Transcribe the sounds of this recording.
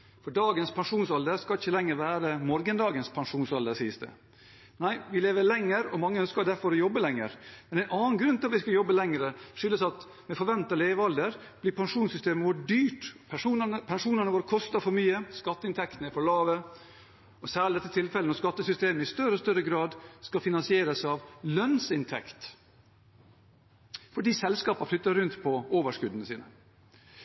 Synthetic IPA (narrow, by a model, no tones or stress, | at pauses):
fɔɖɑːɡənspʰɑnʂuːnsɑld̪əɾskɑlɪçəlɛŋːəɾʋæːɾəmɔɾɡənd̪ɑːɡənspʰɑnʂuːnsɑld̪əsiːsd̪ə̰ | næɪʋɪleːʋəɾlɛŋːəɾɔmɑŋːəœnskɑd̪æɾfɔɾɔjɔbːəlɛŋːə̰ɾmɛnæɛɪnɑːnɡɾʉnt̪ɪɑʋɪskɑjɔbːəlɛŋɾəʂʏlːəsɑt̪ | mɛfɔɾʋɛnt̪ɑleːʋəɑld̪əɾ | b̥lɪpʰɑnʂuːnsʏst̪eːməʋoːɖyːʈpʰʂuːpʰɛnʂuːnəɳəʋoːɾkʰɔst̪ɑfɔɾmyːəskɑt̪ːəɪnt̪ʰɛkt̪nəɪfɔɭɑːʋə | ɔsæːɭd̪ɛt̪ːət̪ʰɪlfɛlənɔskɑt̪ːəsʏst̪eːməɪst̪œɾəɔst̪œɾəɡɾɑːd̪skɑfɪnɑnsɪeːɾəsɑʋlœnsɪnt̪ʰɛ̰kt̪ | fɔɖiːsɛlskɑːpɑflʏt̪ːəɾʉnt̪pʰɔoːʋəʂkʉd̪ənəsiːnə